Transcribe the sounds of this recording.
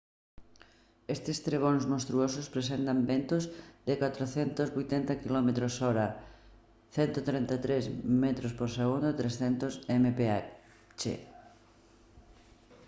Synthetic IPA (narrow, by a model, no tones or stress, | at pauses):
est̪ɪst̪ɾeɣ̞onzmõnst̪ɾuosʊspɾes̬ent̪ambent̪ʊzðɪkat̪ɾoθent̪ʊzβojt̪ent̪ɐkilɔmet̪ɾosɔɾɐ | θɛnt̪ot̪ɾẽnt̪at̪ɾezmɛt̪ɾospoɾseɣund̪ʊt̪ɾesθent̪ʊsɛmepea | t͡ʃḛ